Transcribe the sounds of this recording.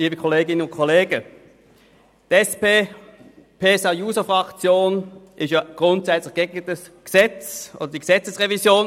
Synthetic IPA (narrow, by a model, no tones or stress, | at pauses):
iːbəkʰɔleːɡɪnənʊntkʰɔleːɡə | d̥ɛspeː | pʰeːsɑjuːsəfʁɑkt͡sjoːnʔɪstjɑɡ̥ʁʊntsɛt͡slɪɐɡ̥eɡətəs | ɡ̥əz̥ɛt͡sʔo̰ːd̥ɐd̥iːɡ̥əz̥ɛt͡səsʁevizjoːn